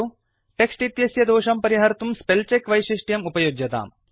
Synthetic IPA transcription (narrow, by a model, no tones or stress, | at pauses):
u | ʈeksʈit̪jɐsjɐd̪oːʃɐmpɐɾiɦɐɾt̪umspelt͡ʃekʋɐjʃiʂʈjɐmupɐjoɡjɐt̪a̰ːm